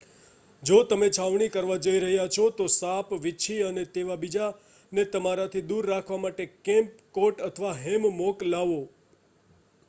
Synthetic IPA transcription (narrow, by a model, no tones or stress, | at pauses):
d͡ʒot̪əmet͡ʃʰaʋɳ̃ikəɾʋad͡ʒəiɾəɦjat͡ʃʰot̪osapʋɪːʃʰiənet̪eʋabid͡ʒa | net̪əmaɾat̪ʰid̪uɾːakʰʋamaʈekɛ̃mp̚koʈət̪ʰəʋaɦɛmmoklaʋo